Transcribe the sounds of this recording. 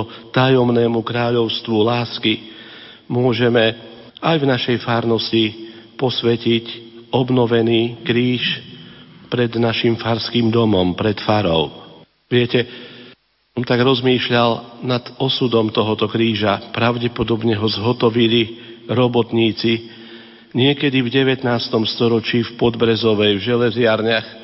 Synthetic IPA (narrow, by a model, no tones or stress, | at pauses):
ɔt̪ajɔmnɛːmukɾaːʎɔʊst̪ʋulaːski | mʊɔʒɛmɛ | ajvnaʃɛjfaːɾnɔscipɔsʋɛcicɔbnɔʋɛniːkɾiːʃ | pɾɛd̪naʃimfaɾskiːmd̪ɔmɔmpɾɛt̪faɾɔ̰ʊ | ʋɪɛcɛ | ɔmt̪aɡɾɔzmiːʃʎalnad̪ɔsud̪ɔmt̪ɔɦɔt̪ɔkɾiːʒapɾaʊɟɛpɔd̪ɔbɲɛɦɔzɦɔt̪ɔʋiliɾɔbɔt̪ɲiːt͡si | ɲɪɛkɛd̪ivɟɛʋɛt̪naːst̪ɔmst̪ɔɾɔt͡ʃiːfpɔd̪bɾɛzɔʋɛjvʒɛlɛzɪaɾɲax